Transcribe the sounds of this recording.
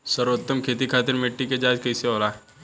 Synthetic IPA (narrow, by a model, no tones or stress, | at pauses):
sɐɾot̪ːəmkʰeːt̪ikʰaːt̪ɪɾmeʈːiked͡ʒaːd͡ʒkɐɪseoːlaː